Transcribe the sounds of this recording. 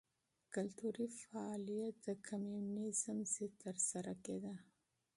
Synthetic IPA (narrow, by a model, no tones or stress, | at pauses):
kalt̪uɾifaɑlijat̪̚d̪əkʰamjunizəmsit̪əɾsaɾaked̪a